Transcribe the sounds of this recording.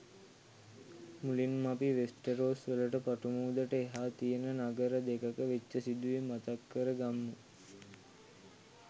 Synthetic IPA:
mulinmapiʋesʈəɾoːsʋələʈəpaʈumuːd̪əʈəeɦaːt̪ijənənaɡəɾəd̪ekəkəʋet͡ʃːəsid̪uʋimat̪akːəɾəɡamːu

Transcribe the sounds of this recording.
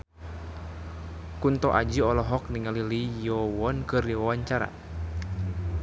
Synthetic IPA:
kunt̪ɔʔad͡ʒiɔlɔɦɔk̚niŋalilijɔwɔnkɨrɔawaɲt͡ʃaɾa̰

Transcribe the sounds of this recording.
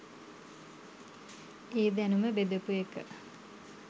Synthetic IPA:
eːd̪ænuməbed̪əpuekə̰

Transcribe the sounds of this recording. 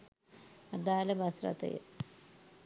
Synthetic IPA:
ɐd̪aːlɐbʱɐsrɐ̰t̪ɐ̰jḛ

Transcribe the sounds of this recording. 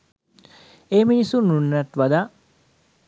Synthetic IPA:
eːminisununːət̪ʋad̪aː

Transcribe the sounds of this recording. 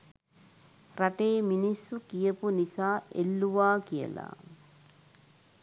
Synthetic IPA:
ɾɐʈeːminisːukijəpunisaːḛlːuʋaːkijə̰la̰

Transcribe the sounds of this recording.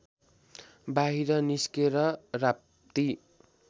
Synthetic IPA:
baɦiɾʌniskeɾʌra | t̪i

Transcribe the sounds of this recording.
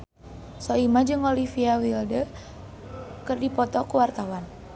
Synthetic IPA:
sɔimad͡ʒɨŋɔlifiawildə | kɨrdipɔt̪ɔkuwart̪awan

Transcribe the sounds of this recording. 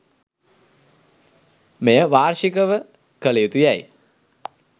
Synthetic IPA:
mejəʋaːɾʃikəʋə | kəlejut̪ujaj

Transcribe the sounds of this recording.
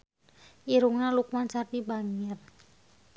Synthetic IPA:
ʔiɾuŋnalukwant͡ʃart̪ibaŋɪr

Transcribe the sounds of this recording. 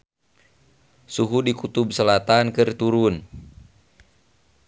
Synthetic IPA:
suɦudikut̪ub̚səlat̪ankɨrt̪uɾun

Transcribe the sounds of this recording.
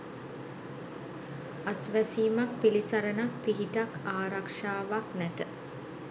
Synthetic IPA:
asʋæsiːmak̚pilisaɾənak̚piɦit̪akaːɾakʂaːʋaknæt̪ə

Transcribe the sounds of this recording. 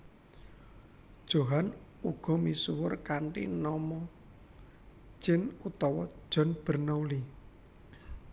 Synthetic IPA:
d̥ʒ̥o̤ɦan | uɡ̥ɔ̤misuwʊrkaɳʈḭnɔmɔ | d͡ʒ̥ɪnut̪ɔwɔ̥ʒ̥ɔ̤nb̥ə̤rnauli

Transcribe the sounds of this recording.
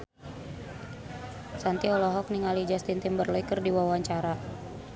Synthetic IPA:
sant̪iɔlɔɦɔk̚niŋalid͡ʒast̪int̪imbərlɔikərdiwawaɲt͡ʃaɾa

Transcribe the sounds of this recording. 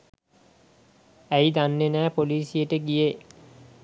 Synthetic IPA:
æjd̪anːenæːpoliːsijəʈəɡije

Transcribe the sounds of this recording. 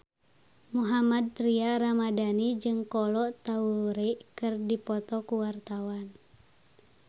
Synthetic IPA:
muɦamad̪̚t̪ɾiaɾamadanid͡ʒɨŋkɔlɔʔt̪auɾɛʔkɨrdipɔt̪ɔkuwart̪awan

